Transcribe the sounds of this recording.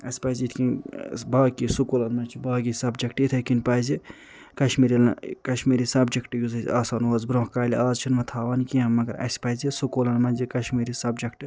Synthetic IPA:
ɐ̰sʲpɐzʲit̪ʰkinbaːkisukoːlɐnmɐnt͡ʃʰibaːɡisɐbd͡ʒɐkʰʈit̪ʰɐkinpɐzi | kɐʃmiːɾilkɐʃmiːɾisɐbd͡ʒɐkʰʈɨjuzɐzʲaːsaːnwaːzbɾõːhkaːliaːzt͡ʃʰinmɐt̪ʰaːʋɐnkiɐmɐɡɐɾɐ̰sʲpɐzisukoːlɐnmɐnzikɐʃmiːɾisɐbd͡ʒɐkʰʈɨ

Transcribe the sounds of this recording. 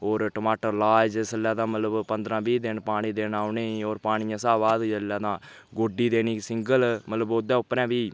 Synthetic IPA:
oːɾʈəmaːʈəɾlaːd͡ʒesəlːaːd̪ãːmət̪ləbpənd̪ɾãːbiːd̪eːnpaːɽ̃ĩːd̪eːnaːʊneːoːɾpaːɽ̃ɪjãːsaːʋaːd̪d͡ʒəlːãːd̪ãː | ɡoːɖiːd̪eːniːsɪŋɡəlmət̪ləbod̪ãːʊpːɾɛ̃ːbiː

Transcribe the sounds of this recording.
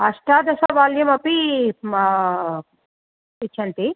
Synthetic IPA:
ɐʂʈaːd̪ɐsɐʋaːljɐmɐpi | it͡ʃʰːɐɳt̪i

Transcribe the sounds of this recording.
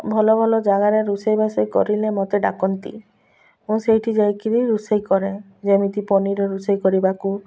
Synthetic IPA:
bʱɔlɔbʱɔlɔd͡ʒaɡaɾeɾusejbasejkɔ̰ɾilemɔt̪eɖakɔnt̪ḭ | ũsejʈʰid͡ʒajkiɾiɾusejkɔɾe | d͡ʒemit̪ipɔniɾeɾusejkɔɾibaku

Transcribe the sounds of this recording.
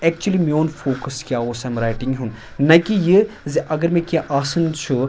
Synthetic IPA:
ɛk̚t͡ʃuəlimioːnfoːkɐskʲjaːoːsamɾajʈĩŋɡɦũn | nɐkijə | ziʔɐɡəɾmẽkʲjaʔaːsɨnt͡ʃʰu

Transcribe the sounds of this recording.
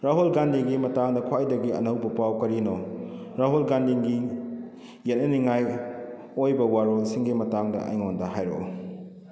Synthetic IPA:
ɾaɦolɡandiɡimɐtaŋdɐkʰwajdɐɡiɐ̰nɐwbɐpawkɐɾinoɾaɦolɡandiŋɡi | jet̚nɐniŋaj | ojbɐwaɾolsiŋɡimɐtaŋdɐ̰ʔɐ̰jŋondɐɦajɾo̰

